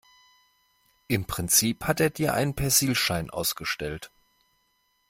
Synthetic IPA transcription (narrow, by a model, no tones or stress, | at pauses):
ʔɪmpʁ̥ɪnt͡siːphateːɐdiːɐʔa̰ɪnənpʰɛɐziːlʃaɪnʔa̰ʊsɡ̥əʃtɛlt